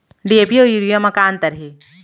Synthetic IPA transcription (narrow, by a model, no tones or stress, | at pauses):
ɖiepiojuɾijamɐkaːnt̪ɐɾɦe